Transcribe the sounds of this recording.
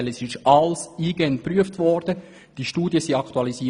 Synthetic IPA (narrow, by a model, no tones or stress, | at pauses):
ləsɪʃʔɑlsiːɡɛnpryəftʋɔːɾd̥ə | d̥iʃtuːdjəsiɑkt̪uɑlisi